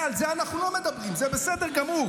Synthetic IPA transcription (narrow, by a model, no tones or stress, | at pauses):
alzeanaχnulo̞me̞d̪abʁimzebesed̪eʁɡamuʁ